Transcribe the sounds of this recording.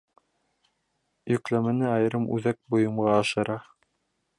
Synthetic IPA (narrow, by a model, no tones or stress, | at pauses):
jɵ̆klæmɘ̆nɘɑjɤ̆ɾɤmʉ̰ðæk̚bŏjɤ̆mʁɑːʃɤ̆ɾɑ